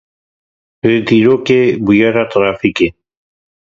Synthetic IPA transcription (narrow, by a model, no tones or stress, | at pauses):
pɾet̪iɾokebiaɾat̪ɾafike